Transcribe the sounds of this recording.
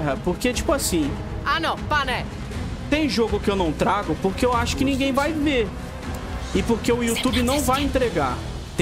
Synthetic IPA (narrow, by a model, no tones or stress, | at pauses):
ɦɐpoɾket͡ʃi̥pʊasĩ | anɐ̃w̃panɛ | t̪ẽj̃ʒoɡʊkɪewnɐ̃w̃t̪ɾaɡʊpoɾkeewaʃʊ̥kɪnĩɡẽj̃vajveɾ | ɪpoɾkeʊiut̪ubɪnɐ̃w̃vajẽnt̪ɾeɡa | t̪